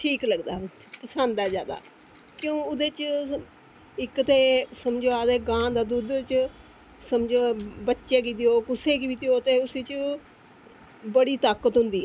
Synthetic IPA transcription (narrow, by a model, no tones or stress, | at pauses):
ʈʰiːkləɡd̪a̰ːpəsə̃nd̪ɛːd͡ʒjaːd̪a̰ː | kjõːʊd̪eːt͡ʃ | ɪkt̪eːsəmd͡ʒoːaːd̪eːɡãːd̪aːd̪uːd̪t͡ʃ | səmd͡ʒoːbətːʃeːkit̪ioːkʊseːkiːbit̪ɪoːt̪eːʊsiːt͡ʃ | bəɽiːt̪aːkət̪ɦʊnd̪iːɛː